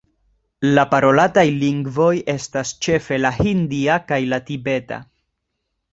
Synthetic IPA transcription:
lapaɾo̞latajliŋɡvo̞je̞stast͡ʃe̞fe̞lahindiakajlatibe̞ta̰

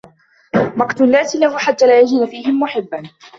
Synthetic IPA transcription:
mɑqt̪ʊnːaːsɪlahuːħat̪ːaːlaːjad͡ʒiːnafiːhɪmːʊħɪbːan

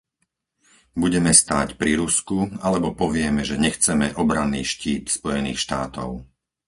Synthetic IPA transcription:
buɟɛmɛst̪aːcpɾiɾuskualɛbɔpɔʋɪɛmɛʒɛɲɛxt͡sɛmɛʔɔbɾanːḭːʃciːt̪spɔjɛniːxʃt̪aːt̪ɔ̰ʊ

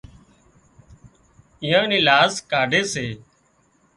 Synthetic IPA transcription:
ɪːjãːnĩːlaːskaːɖeːseː

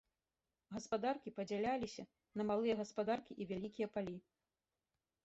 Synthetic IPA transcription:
ɣɐspad̪arkʲipɐd͡zʲalʲalʲisʲɐ | nɐmalˠɨjɐɣɐspad̪arkʲiʔivʲalʲikʲijɐpalʲi

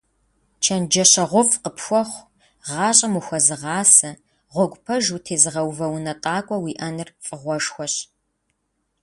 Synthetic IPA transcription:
t͡ʃʰɐnd͡ʒɐɕɐʁʷʊfʼqəpʰxʷɔχʷ | ʁɑːɕʼɐmuxʷɔzɨʁɑːsɨ | ʁʷɔɡʷpʰɐʒutʰeːzɨʁɐwvɐwnɐtʼɑːkʷʼɔwiːʔɐnɨrfʼɨʁʷɔʂxʷɔɕ

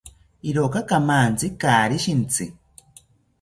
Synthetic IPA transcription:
iɾokakamant͡sikaːɾiʃint͡sʰi

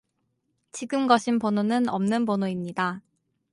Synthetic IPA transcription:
t͡ɕiɡɯmɡʌɕʰinpononɯnʌmnɯnbonoimɲida

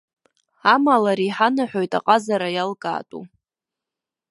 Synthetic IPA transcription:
amalaɾiħanaħʷᶣojtʼa̰qʼazaɾajalkʼa̰ːtʼṵ

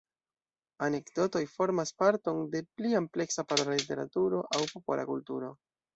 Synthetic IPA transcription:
ane̞kdo̞to̞jfo̞ɾmaspaɾto̞nde̞pliample̞ksapaɾolalite̞ɾa̰tuɾo̞ʔawpo̞po̞̰lʔa̰kultuɾo̞

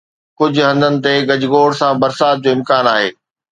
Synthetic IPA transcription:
kʊd͡ʑʱʊ̆ɦɐ̃nd̪ʱənɪ̆t̪eɡɐd͡ʑɪɡoːɽsãbɐɾsaːt̪̚d͡ʑoːɪ̃mkaːnaːɦeː

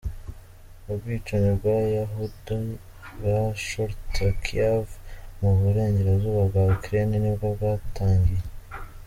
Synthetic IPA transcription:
ubɡiːt͡ʃaɲobɡwajaɦudo | βaʃoɾtakʰiavmuβuɾe̞ːɲɟe̞ɾazuːβabɡaukɾeninibɡabɡataːŋɡije

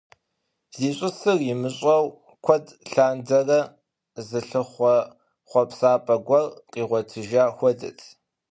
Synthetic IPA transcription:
z̥iːɕʼʊsɨrjɪmɨɕʼɐw | kʷʰɔdɬaːndɐrɐ | zɨɬɨχʷɔ | χʷɔpsaːpʼɐɡʷɔrqʼiːʁʷɔtʰɨʒaːxʷɔdɨ̰tʰ

